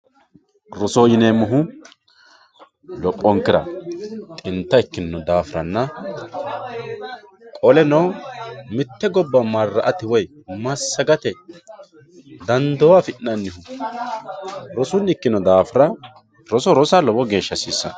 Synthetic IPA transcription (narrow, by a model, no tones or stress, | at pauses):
ɾɔsoːjɪnemʊɦʊ | lɔpʼːɔŋkːɪɾɐ̰t̪ʼɪnt̪ːɐɪkːɪnːɔd̪aːfɾɐnːɐ | kʼɔlɛnoːmɪt̪ːɛɡɔbːɐmarːɐʔɐt̪ɪwɔjmɐsːɐɡɐt̪ɛ | d̪ɐnd̪ɔwafɪʔnɐnːɪhʊ | ɾɔsʊnːɪkːɪnɔd̪aːfɾɐ | ɾɔsɔɾɔsalɔbɔɡe̞ːʃːɐsiːsːɐ̰